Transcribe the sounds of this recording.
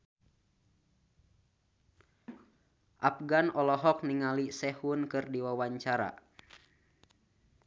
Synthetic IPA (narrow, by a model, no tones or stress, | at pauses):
ʔap̚ɡanɔlɔɦɔk̚niŋalisɛhunkɨrdiwawaɲt͡ʃaɾa̰